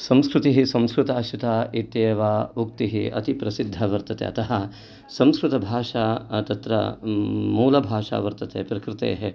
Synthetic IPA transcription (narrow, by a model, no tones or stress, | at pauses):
sɐ̃mskɾut̪iɦisɐ̃mskɾut̪aːʃit̪aːit̪jeːʋaːuk̚t̪iɦiʔɐ̰t̪ipɾɐsid̪ʱːɐʋɐɾt̪ɐt̪ḛːɐ̰t̪ɐɦɐ | sɐ̃mskɾut̪ɐbʱaːʂaːt̪ɐt̪ɾɐ̰muːlɐbʱaːʂa̰ːʋɐɾt̪ɐt̪ḛːpɾɐkɾɪt̪ḛːɦe